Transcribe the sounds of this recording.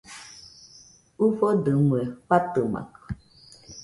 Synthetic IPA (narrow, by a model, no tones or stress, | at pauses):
ufɔdəŋwɛɸatəma̰k